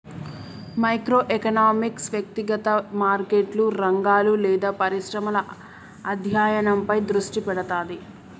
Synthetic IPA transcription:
mɐjkɾoːʔekɐnaːmiksʋjɐk̚t̪iɡɐt̪ɐmaːɾkeːʈluɾɐŋɡaːlulɛːd̪aːpɐɾiʃɾɐmɐlɐ | ɐd̪ʱjaːjɐnɐmpɐjd̪ɾuʂʈipɛɽɐt̪aːd̪i

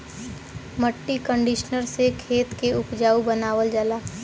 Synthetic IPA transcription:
məʈːikə̃ɳɖiːʃnəɾsekʰeːt̪keʊpd͡ʒaːubənaːʋəld͡ʒalaː

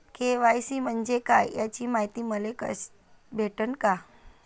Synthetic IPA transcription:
keʋajsim̤ənd͡ʑekajat͡ɕiːmaɦit̪iməlekə̰ | bʱeʈənka

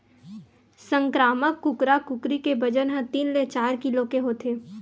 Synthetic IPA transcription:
sə̃ŋkɾaːməkːʊkɾakʊkɾikebɐd͡ʒənɦə̃t̪iːnlet͡ʃaːɾkilokeɦoːt̪ʰeː

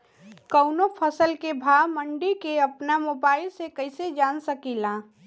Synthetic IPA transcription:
kəʊnopʰəsəlkebʱaːməɳɖikeɐpnamoːbaːɪlsekəɪsed͡ʒaːnsəkiːlaː

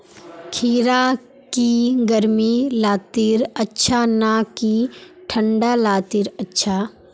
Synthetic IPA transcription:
kʰiːɾa | kiɡəɾmilaːt̪iɾɐtːʃʰanakiʈʰə̃ɳɖalaːt̪iɾɐtːʃʰaː

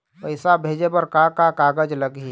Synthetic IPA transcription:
pəɪsabʱeːd͡ʒebəɾkakakaːɡəd͡ʒləɡɦi

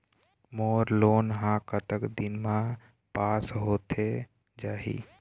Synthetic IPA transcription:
moːɾloːnɦãkət̪əkd̪ɪnmã | paːsɦot̪ʰe | d͡ʒaːɦḭ

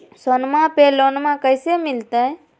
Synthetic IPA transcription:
sɔnmãpelonmãkəjsemɪlt̪e

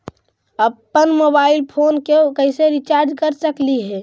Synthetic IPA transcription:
əpːənmoːbaːɪlpʰoːnkekəɪseɾɪt͡ʃaːɾd͡ʒkəɾsəkliɦɛː

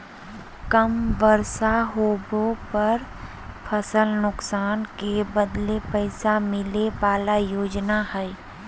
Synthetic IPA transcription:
kəmʋəɾsaɦoːbõpɐɾ | pʰəsəlnʊksaːnkebəd̪lepɛɪsamɪleʋaːlajoːd͡ʒnahɛɛ

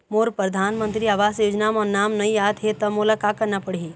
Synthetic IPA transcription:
moːɾpɾɐd̪ʱaːnmə̃nt̪ɾiɐʋaːsjoːd͡ʒnaːmɔːɾnaːmnɐĩjaːd̪ɦet̪ɐmulakaːkɐɾnapəɽii

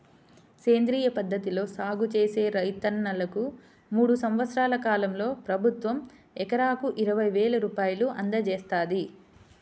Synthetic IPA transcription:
keːnd̪ɾiːjɐpɐd̪ːɐt̪ilo̞ːsaːɡut͡ʃe̞ːse̞ːɾɐjt̪ɐnːɐlɐku | muːɽusɐmʋɐt̪sɾaːlɐkaːlɐmlo̞ːpɾɐbʱut̪ʋɐm | ɛkɐɾaːkuʔiɾɐʋɐjʋeːlɐɾuːpaːjɐluʔɐ̰nd̪ɐd͡ʒeːst̪aːd̪i

